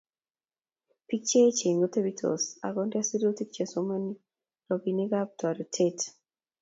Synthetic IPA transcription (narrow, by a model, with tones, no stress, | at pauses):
pi˦k̚t͡ʃe˦t͡ʃe˨ŋɡo˦te˦bitʰo̰˨sa̰˨ɡɔnda˦si˦ɾo˦ti˦kt͡ʃe˨somoni˦ | ɾɔ˨biniɡab̚ta˨ɾtʰet